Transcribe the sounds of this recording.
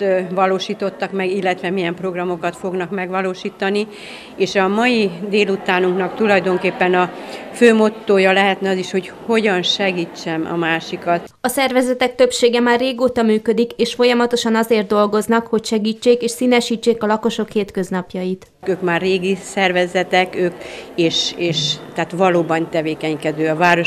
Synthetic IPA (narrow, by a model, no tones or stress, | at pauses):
ʋɒloːʃiːt̪o̞t̪ːɒkmɛɡilːɛt̪ʋɛmijɛmpro̞ɡrɒmo̞kɒt̪fo̞ɡnɒkmɛɡʋɒloːʃiːt̪ɒni | eːʃɒmɒjid̪eːlut̪aːnuŋknɒkt̪ulɒjd̪o̞ŋkeːpːɛnɒføːmo̞t̪ːoːjɒlɛɦɛt̪nɛɒziʃho̞cho̞ɟɒnʃɛɡiːt͡ʃːɛmɒ̰maːʃikɒt̪ | ɒsɛrvɛzɛt̪ɛk̚t̪øpʃeːɡɛmaːrːeːɡoːt̪ɒmyːkød̪ikeːʃfo̞jɒmɒt̪o̞ʃɒnɒzeːrt̪̚d̪o̞lɡo̞znɒkho̞cʃɛɡiːt͡ʃːeːkeːʃsiːnɛʃiːt͡ʃːeːkɒlɒko̞ʃo̞kheːt̪kø̞znɒpjɒjit̪ | køːkmaːrreːɡisɛrvɛzɛt̪ɛkøːkeːʃeːʃt̪ɛːt̪ʋɒloːbɒnt̪ɛveːkɛɲkɛd̪øːɒvaːɾo